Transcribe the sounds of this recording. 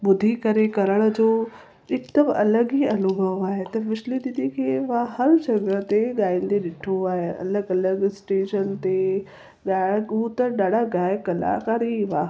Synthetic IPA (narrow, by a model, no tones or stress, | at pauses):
ɓʊd̪ʱikɐɾekɐɾəɽ̃̆d͡ʑoː | ɪkd̪əmɐləɠiɐnʊbʱəʋaːɦet̪ɐʋɪʃlid̪ɪd̪ʱikʰeːʋãhɐɾd͡ʑɐɡət̪eɠaːĩːn̆d̪eɗɪʈʰoaːɦeʔɐ̰ləɡɐləɡsʈeːʃənt̪e | ɠaːut̪ɐɗaːɖʱaɡaːɪkɐla̰ːkaːɾiʋaː